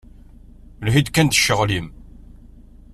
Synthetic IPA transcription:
lɦid̪kːænd̪ə̥ʃːəʁlim

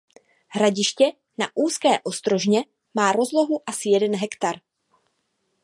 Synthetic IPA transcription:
ɦɾaɟɪʃcɛ | naʔuːskɛːʔo̞st̪ɾo̞ʒɲɛ | maːɾo̞zlo̞ɦuʔasɪjɛdɛnɦɛkt̪aɾ

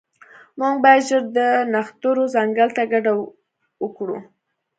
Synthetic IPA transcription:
muŋɡbɑjad̪ʒəɾd̪ənaxt̪uɾozaŋɡalt̪aɡaɖa | wəkɽu

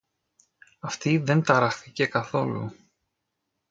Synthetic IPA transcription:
ɐft̪iðe̞nt̪ɐɾɐxθice̞kɐθo̞lṵ

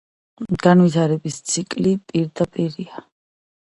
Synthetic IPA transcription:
ɡ̥anvit̪ʰaɾɛbist̪sʰikʼlipʼiɾd̪apʼiɾia

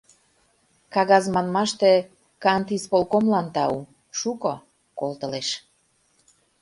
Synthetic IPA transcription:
kɑɣɑzmɑnmɑʃt̪e | kɑnt̪ispolkomlɑnt̪ɑu | ʃuko | kolt̪ə̆leʃ

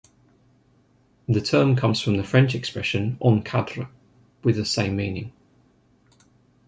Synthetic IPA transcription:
ðətʰɜːmkʰʌ̃mz̥fɹə̃mðəfɹɛ̃nt͡ʃɛkspɹɛʃə̃nʔə̃nkʰadɹə | wɪðəsẽɪ̃mːiːnɪ̃ŋ

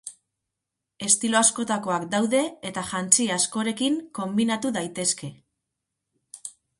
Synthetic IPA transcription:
e̞st̪ilo̞asko̞t̪ako̞akd̪awðe̞ːt̪aʝant͡siasko̞ɾe̞kiŋko̞mbinat̪uðajt̪e̞ske̞

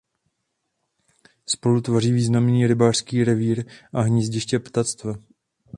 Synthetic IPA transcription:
spo̞lut̪variːviːznamniːɾɪbaːr̥skiːɾɛviːɾʔaɦɲizɟɪʃcɛpt̪at͡st̪vɛ

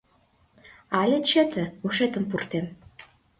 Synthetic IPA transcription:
alʲet͡ɕet̪ʰə̆uʃet̪ə̆mpurt̪em

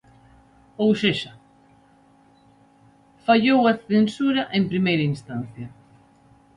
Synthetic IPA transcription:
owseʃa | faʎowaθensuɾɐʔempɾimejɾɐinst̪an̟θjɐ

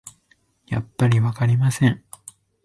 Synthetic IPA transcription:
ja̰pːaɾʲiβakaɾʲimasẽ̞ɴ

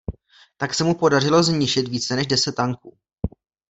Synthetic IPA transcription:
t̪aksɛmupo̞dar̝ɪlo̞zɲɪʃɪt̪viːt͡sɛnɛʒdɛsɛt̪̚ːaŋkuː

